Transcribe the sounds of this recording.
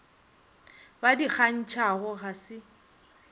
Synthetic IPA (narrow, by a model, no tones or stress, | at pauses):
badik͡xan̩t͡ʃʰaɣʊɣasɪ